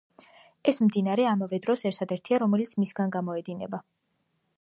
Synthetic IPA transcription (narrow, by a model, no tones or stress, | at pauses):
ɛsmd̪inaɾɛamavɛd̪ɾɔsɛɾt̪ʰad̪ɛɾt̪ʰiaɾɔmɛlit̪sʰmisɡanɡamɔɛd̪inɛ̰ba